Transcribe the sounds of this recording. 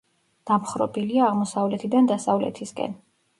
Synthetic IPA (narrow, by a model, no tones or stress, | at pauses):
d̪̥amχɾɔ̰biliaːʁmɔsavlɛt̪ʰid̪and̪asavlɛ̰t̪ʰiskʼɛ̰n